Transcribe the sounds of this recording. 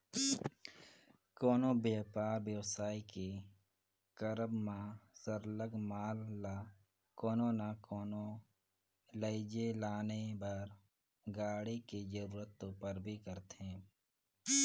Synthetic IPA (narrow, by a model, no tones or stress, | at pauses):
kɔːnobjeːpaːɾbjəʋsaːike | kəɾəbmãsəɾləɡmaːl | kɔːnõnakɔːno | ləɪd͡ʒelaːnebəɾ | ɡaːɽiked͡ʒəɾuːɾət̪ːõpəɾbʱikəɾt̪ɛ̃ː